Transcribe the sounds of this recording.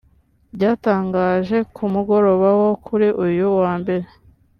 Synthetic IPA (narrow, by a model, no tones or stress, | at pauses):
bɟaːtaːŋɡaːʒe̞kʰumuɡo̞ɾo̞βawo̞kʰuɾiʔujuwaːmbe̞ɾe̞